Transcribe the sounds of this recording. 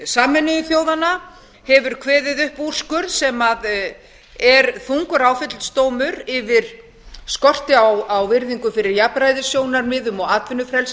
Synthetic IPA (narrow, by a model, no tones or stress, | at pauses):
saːmɛnːʏθjoːwðana | hɛvʏɾkʰvɛːðɪðʏhpur̥skʏɾðsɛmað | ɛɾθuŋkʏɾaːwfɪt̪lst̪oːwmʏɾɪvɪɾ̥ | skɔr̥t̪ɪawawvɪɾðiŋkʏfɪɾɪɾjapɾaːjðʏ̥sjoːwnaɾmɪðʏmɔɣaːt̪vɪnʏfɾɛls